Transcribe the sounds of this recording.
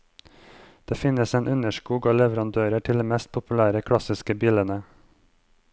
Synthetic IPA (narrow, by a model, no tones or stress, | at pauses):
d̪̥eːfɪnəseːnʔʉnəʃkuːɡɑːlɛʋəɾɑnd̪øːɾəʈʰɪld̪eːmɛst̪̚pʰʊpʉlæːɾəkʰɽɑsɪskəbiːlənə